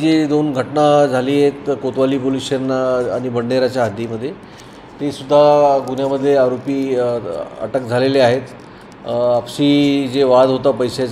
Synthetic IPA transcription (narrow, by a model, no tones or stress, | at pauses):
d͡ʑed̪onɡʱəʈnad͡zʱaliːjet̪kot̪ʋaliːpoliɕənaɽ̃ibəɽɳeɾat͡ɕjaɦad̪ʱiməd̪ʱːje | t̪esud̪ʱːaɡunjaməd̪ʱːjeaɾopiː | ə̰ʈək̚d͡zʱaleleaɦet̪ | apɕiːd͡zeʋad̪ɦot̪apəjsa